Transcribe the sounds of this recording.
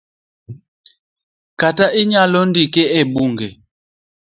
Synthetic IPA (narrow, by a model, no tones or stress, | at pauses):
kataʔiɲalɔndikɛɛɓuŋɡɛ